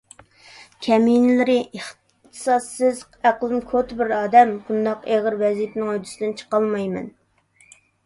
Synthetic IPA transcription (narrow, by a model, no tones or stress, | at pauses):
kʲʰɛminɪlɪɾɪʔeχ | t̪ʰɨ̥sɑsːɪz | æqlˠɪmkʰot̪bɪɾɑːd̪ɛmbund̪ɑqeʁəɾvɛzit̪nɪŋød̪ysɪd̪ɨnt͡ʃʰə̥qɑlˠmɑjmɛ̰n